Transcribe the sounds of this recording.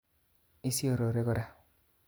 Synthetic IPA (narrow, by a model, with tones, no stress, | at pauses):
i˦si˦o˨ɾo˨ɾe˦kɔ˦ɾa˦